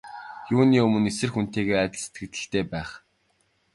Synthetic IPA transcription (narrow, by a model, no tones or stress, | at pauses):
juːniːɵmɵ̆nesɘ̆rxun̥t̪eːɣeːæt̪ʲɪ̆ɮse̥t̪ɡɘ̆kt̪ɘ̆ɬt̪eːpæːχ